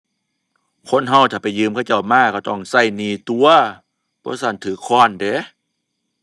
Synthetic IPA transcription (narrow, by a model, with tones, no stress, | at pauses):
kʰo˧˥˨nɦa˧˩wt̪ʰaː˨˩pa˨˩jːɯː˧˨mkʰwt͡ɕa˧˩wmaː˧˩kʰːa˧˩t̪ɔ˧˩ŋsa˧˩˨jniː˧˩t̪u˧ɐ | b̥ɔː˧˦sa˧˩nt̪ʰɯː˨˦kʰɔː˧˩˨ndeː˨˦